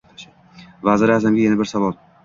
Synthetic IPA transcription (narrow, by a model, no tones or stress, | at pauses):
vazɪɾazamɡʲajanabɪɾsavɒlˠ